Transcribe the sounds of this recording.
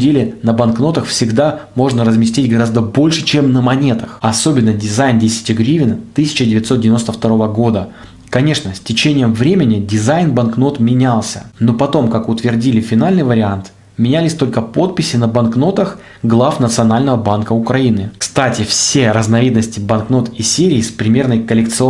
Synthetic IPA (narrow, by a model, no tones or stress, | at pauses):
dʲelʲɪnəbɐnkno̞t̪əxfsʲɪɡd̪amo̞ʐnəɾəzmʲɪsʲtʲitʲɡɐɾazd̪əbo̞lʲʂɨ̥t͡ɕemnəmɐnʲe̞t̪əxɐso̞bʲɪnːədʲɪzajndʲesʲɪ̥tʲɪɡɾʲivʲɪnt̪ɨsʲɪ̥t͡ɕɪdʲɪvʲɪt̪sodʲɪvʲɪno̞st̪əft̪ɐɾo̞vəɡo̞d̪ə | kɐnʲe̞ʂnəsʲtʲɪt͡ɕenʲɪjəmvɾʲemʲɪnʲɪdʲɪzajnbɐnkno̞t̪mʲɪnʲalˠsʲə̰no̞pɐt̪o̞mkakʊt̪vʲɪrdʲilʲɪfʲɪnalʲnɨjvəɾʲɪant̪ | mʲɪnʲælʲɪsʲt̪o̞lʲkəpo̞t̪̚pʲɪsʲɪnəbɐnkno̞t̪əx | ɡlˠafnət̪sɨɐnalʲnəvəbankəʊkɾɐinɨkst̪atʲɪfsʲeɾəznɐvʲid̪nəsʲtʲɪbɐnkno̞t̪isʲeɾʲɪːspɾʲɪmʲe̞rnəjkəlʲɪk̚t̪sɨ